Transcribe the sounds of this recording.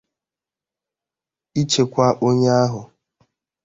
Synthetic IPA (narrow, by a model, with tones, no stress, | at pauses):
i˦t͡ʃe˨kʷa˦ʔo˦ɲe˦a˦ɦʊ˨